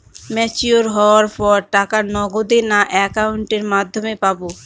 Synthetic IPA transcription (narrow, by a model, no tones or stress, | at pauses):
mɛt͡ɕuoɾɦɔoaɾpɔɾʈakaɾnɔɡod̪enaʔɛkauɳʈeɾmad̪ʱːomepabo